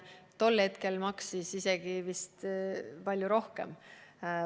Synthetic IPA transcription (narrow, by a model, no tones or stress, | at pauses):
t̪o̞lhe̞t̪ke̞lmɑksisise̞ɡ̥ivist̪pɑlʲjuɾo̞hke̞̰m